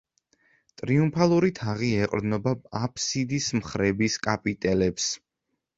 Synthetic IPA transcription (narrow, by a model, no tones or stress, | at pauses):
t̪ʼɾiumpʰalˠuɾit̪ʰaʁiɛqʼɾd̪nɔbaapʰsid̪ismχɾɛbiskʼapʼit̪ʼɛlɛps